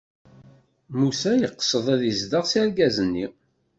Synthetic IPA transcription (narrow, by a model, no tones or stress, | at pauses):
musæjəqːə̥sˤəðˤæðəzd̪əʁsiɾɡæzənːḭ